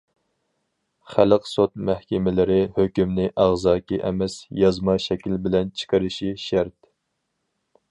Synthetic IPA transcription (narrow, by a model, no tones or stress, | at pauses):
χæləqsot̪̚mæhkʲɛmɪlɪɾɪhøkʲymnɪʔæʁzɑːkʲiʔɛ̰mɛsjɑzmɑʃɛkʲilbɪlɛnt͡ʃʰɨ̥qəɾɪʃiʃæɾt̪